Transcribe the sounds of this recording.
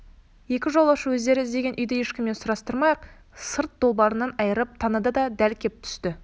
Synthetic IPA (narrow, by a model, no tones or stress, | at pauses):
je̞kʲɪʒo̞lˠəʃəwɵzd̪e̞ɾɪɪzd̪e̞ɡʲe̞nʔʏjd̪ɪje̞ʃkʲɪmːe̞nsʊɾɑst̪əɾmɑjəq | səɾt̪̚d̪o̞lˠbɑɾənːɑnɑjəɾəp̚t̪ʰɑnəd̪əd̪ɑd̪ælkʲʰe̞p̚t̪ʰʏ̥st̪ɪ